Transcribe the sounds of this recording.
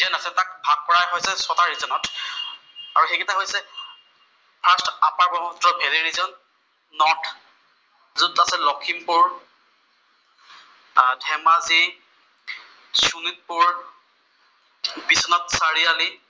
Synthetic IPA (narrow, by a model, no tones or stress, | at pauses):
dianasɛtak̚bʱaɡ̚pɔɹajɦojsɛsɔtaɹizɔnɔt | a̰ɹuxekitaɦojsɛ | pʰastapaɹbɔmɔtɹɔbʱeleɹizɔnː | ɔtʰ | zutasɛlɔkʰimpʊɹ | dʱɛmazi | sunit̚pʊɹ | bisɔnɔtsaɹiali